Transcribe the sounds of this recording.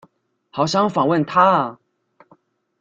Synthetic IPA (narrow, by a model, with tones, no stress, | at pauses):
xɑ˨˩ʊɕjɑ˥˩ŋfɑ˨˩ŋwə˥˨nt̪ʰa˥˨˩